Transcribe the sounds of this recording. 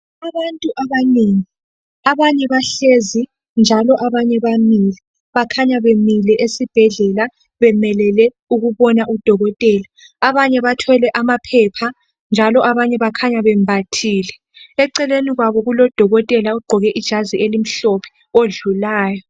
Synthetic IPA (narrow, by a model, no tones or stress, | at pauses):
aβantʼuʔaβaneːŋi | aβaɲɛβaɬezi | nd͡ʒʱalɔʔaβaɲɛβamilɛ | βakʰaɲaβemilɛʔesib̥ʱɛɮɛla | βɛmɛlɛlɛ | uɣuβɔnaʔud̥ʱɔɣɔtʼɛːlaː | βaɲɛβatʰɛlɛʔamapʰɛpʰa | nd͡ʒʱalɔʔaβaɲɛβakʰaɲaβɛmbʱatʰiːlɛ | ɛǀɛleniɣwaβɔɣulɔd̥ʱɔɣɔtʼɛlauɡ͡ǃʱɔɣɛʔid̥ʒ̥ʱaziʔelim̩ɬɔpʰɛ̥ | oɮulaːjɔ